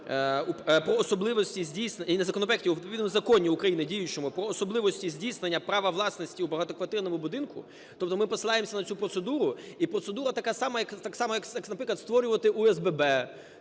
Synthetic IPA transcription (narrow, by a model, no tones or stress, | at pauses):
uppɾɔːsɔblˠɪʋɔsʲtʲizʲdʲijsnenezɐkɔnɔpɾɛk̚ʲtʲiuʋʲit̪pɔʋʲid̪mɔzɐkɔnʲiʊkɾɐjinɪdʲijʊt͡ʃɔmʊpɾɔːsɔblˠɪʋɔsʲtʲizʲdʲijsnenʲːɐpɾɑʋɐʋlˠɑsnɔsʲtʲiubɐɦɑt̪ɔkʋɐt̪ɪrnɔmʊbʊd̪ɪnkʊ̰ | t̪ɔpt̪ɔmɪpɔsɪlˠɑjemsʲɐnɐt͡sʲupɾɔt̪sed̪uɾʊipɾɔt̪se̞d̪uɾɐt̪ɐkasɑmɐjɐkt̪ɑksɑmɐjɐkaknɐpɾɪklɐt̪st̪ʋɔɾʲʊʋɐt̪ɪʔuɛzbɛbɛ